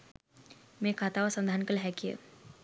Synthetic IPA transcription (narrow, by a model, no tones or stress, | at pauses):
mekʰat̪aʋasənd̪ʱankəlɦɛkijḛ